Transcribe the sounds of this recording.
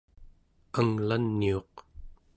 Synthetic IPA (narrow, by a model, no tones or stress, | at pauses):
aŋlanːio̞q